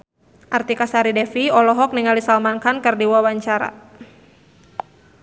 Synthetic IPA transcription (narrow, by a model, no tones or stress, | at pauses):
ʔart̪ikasaɾidɛfiɔlɔɦɔk̚niŋalisalmankankərdiwawaɲt͡ʃaɾa̰